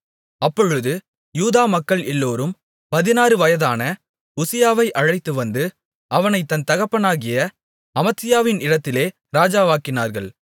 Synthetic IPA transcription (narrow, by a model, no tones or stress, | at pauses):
ɐpːɔɻɯðɯ | juːðaːmɐkːɐɭɛlːoːɾɯm | pɐðɪnaːɾɯʋɐjɐðaːnɐ | ʊsɪjaːʋɐɪʔɐɻɐɪt̪ːɯʋɐnd̪ɯ | ʔɐʋɐnɐɪt̪ːɐnt̪ɐɣɐpːɐnaːɣɪjɐ | ɐmɐt̪ːɪjaːʋɪnɪɽɐt̪ːɪleː | ɾaːd͡ʒaːʋaːkɪnaːɾɣɐɭ